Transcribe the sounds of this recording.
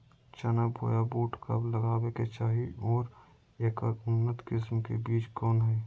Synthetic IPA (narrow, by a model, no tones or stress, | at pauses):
t͡ʃənabʱo̰ːjaboːʈkə̰bləɡaːweket͡ʃaːɦiɔːɾ | eːkʊnːət̪kɪsmkḛbiːt͡ʃkɔːnɦɛː